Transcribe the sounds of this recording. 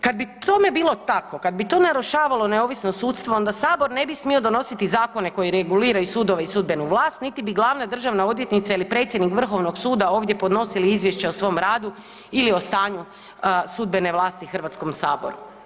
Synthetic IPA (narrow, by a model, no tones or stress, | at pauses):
kad̪̚bit̪ome̞biːlˠo̞t̪ako̞kad̪̚bit̪o̞ːnaɾuʃaːʋalo̞neo̞ːʋisnosuːt̪st̪ʋoo̞nd̪asaːbo̞ɾne̞bismio̞d̪o̞no̞sit̪izaːko̞ne̞ko̞jiɾeɡuliːɾajusuːd̪o̞ʋeisud̪be̞nuʋlˠaːst̪nit̪ibiɡlˠaːʋnad̪r̩ʒaʋnao̞d̪je̞t̪nit̪sailipɾe̞t̪sjed̪nikʋr̩xo̞ʋnoɡsuːd̪ao̞ːʋd̪je̞pod̪no̞siliizʋje̞ʃt͡ɕeosʋo̞mɾaːd̪u | ilio̞st̪aːɲu | sud̪̚be̞ne̞ʋlˠaːst̪ixr̩ʋat̪skomsaːbo̞̰ɾṵ